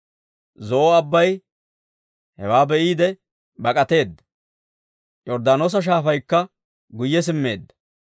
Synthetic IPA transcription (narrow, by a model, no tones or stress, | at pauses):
zɔʔɔɐbːɐj | hɛwaːbɛʔiːd̪ɛ | bɐkʼɐt̪e̞ːd̪ːɐ̥ | jɔɾd̪aːnoːs̬ɐʃ̬aːfɐjkːɐ | ɡʊjːɛs̬ɪmːe̞̰ːd̪ːɐ̥